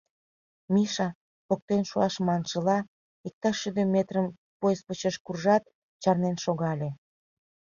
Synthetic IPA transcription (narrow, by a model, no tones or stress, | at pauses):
miʃɑ | pok̚t̪enʃuɑʃmɑnʃəlɑ | ik̚t̪ɑʃyd̪ə̆met̪rəm | pojspət͡ɕeʃkurʒɑt̪̚ | t͡ɕɑrnenʃoɣɑlʲe